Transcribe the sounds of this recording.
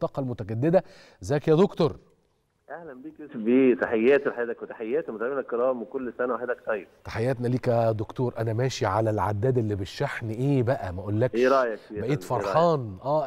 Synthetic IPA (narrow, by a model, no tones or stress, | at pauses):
t̪ˤːɑːqɑlmʊt̪æɡæd̪ːed̪æ | zæːkjæd̪okt̪oɾˤ | ʔæhlæmbiːkesbeːt̪aħejːæːt̪elħajæːd̪ækwet̪ḁħejːæːt̪met̪lminækːɑɾˤɑːmwekolːsænæwaħed̪æk̚t̪ˤɑjːebt̪ḁħejːæːt̪næliːkæd̪okt̪oːɾʔænæmæːʃiʕalælʕa̰d̪ːæːd̪elːibeʃːaħniʔeːbæʔæmæʔolːækʃɾˤɑʔjɑibæʔeːt̪fɑɾˤħɑːnʔæː